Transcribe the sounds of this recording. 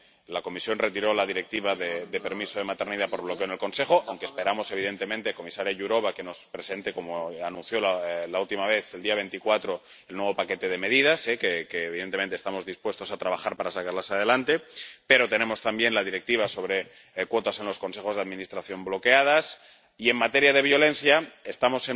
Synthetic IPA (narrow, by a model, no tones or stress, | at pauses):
lako̞misjo̞nre̞t̪iɾo̞laðiɾe̞k̚t̪iβ̞aðed̪epe̞ɾmisoð̞e̞mat̪e̞ɾniðapoɾβlo̞keone̞lko̞nse̞xo̞ʔawŋkespe̞ɾamo̞se̞β̞iðe̞nt̪e̞mẽnt̪eko̞misaɾjaʝuɾo̞βake̞no̞spɾese̞nt̪e̞ko̞moanũnθjo̞lalault̪imaβ̞e̞θeld̪iaβe̞nt̪ikwat̪ɾo̞ | elnwe̞β̞o̞pake̞t̪e̞ðe̞me̞ðið̞asekekeːβiðent̪em̃nt̪est̪amo̞zðispwe̞st̪o̞sat̪ɾaβ̞axaɾpaɾasakaɾlasaðe̞lant̪e̞pe̞ɾo̞t̪e̞nẽ̞mo̞st̪ambje̞nlaðiɾek̚t̪iβaso̞β̞ɾe̞ | kwo̞t̪ase̞nlo̞sko̞nse̞xo̞zðaðmĩnist̪ɾaθjo̞mblo̞ke̞að̞as | ie̞ŋmat̪e̞ɾjaðe̞βjo̞le̞nθjae̞st̪amo̞se